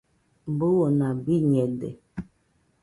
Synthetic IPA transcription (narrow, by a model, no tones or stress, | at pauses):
mbowonabiɲɛdḛ